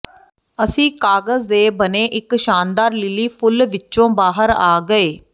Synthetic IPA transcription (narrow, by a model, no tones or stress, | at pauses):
əsĩːkaːɡəzd̪eːbəneːʔɪkʃaːnd̪aːɾlɪliːpʰʊlʋɪt͡ʃõːbaːɦəɾaːɡəeː